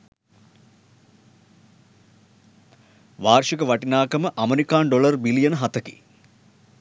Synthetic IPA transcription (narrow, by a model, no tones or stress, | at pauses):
ʋaːrʂikəʋɐʈinaːkɐməʔɐmeɾikaːnɖolɐrbilijɐnəɦɐt̪ɐki̥̰